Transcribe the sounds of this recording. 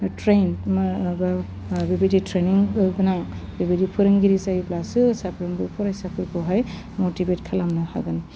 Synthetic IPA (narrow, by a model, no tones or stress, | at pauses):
tɾenmba | bibiditɾeniŋɯɡɯnaŋbibidipʰɯɾɯŋɡiɾizajiplasɯsapʰɾɯŋbɯpʰɔɾajsapʰɯɾkʰɯɦaj | motibetkʰalamnɯha̰ɡɯn